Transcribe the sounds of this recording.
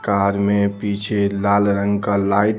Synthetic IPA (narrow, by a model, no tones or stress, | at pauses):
kaɾmepit͡ʃʰelalɾəŋɡkəlaj